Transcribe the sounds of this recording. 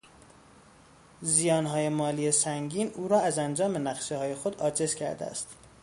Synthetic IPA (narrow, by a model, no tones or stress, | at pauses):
zijɒːnɦɒːje̞mɒːliːesæŋɟiːnʔuːɾɒːæzænd͡ʒɒːme̞næɣʃehɒːje̞xo̞d̪ɒːd͡ʒe̞z̥cʰæɾd̪ḛæ̰st̪